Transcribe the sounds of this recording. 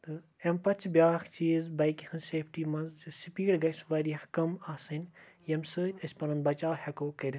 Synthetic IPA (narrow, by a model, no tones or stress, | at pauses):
t̪ɨ | empɐt͡ʃʰbʲjaːxt͡ʃiːzbɐjkʲixɐnseːpʰʈiːmɐnzɨsʲipiːɽɡɐsʋɐɾʲɐhkɐmasɐnʲ | jɐmsɨːt̪ʲɐsʲpɐɾɐnd̪̚bɐt͡ʃaːwhɐkoːkɐɾʲ